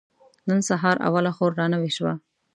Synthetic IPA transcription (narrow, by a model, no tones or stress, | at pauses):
nənsaɦɑɾa̰walaxoɾːɑnaweʃwa̰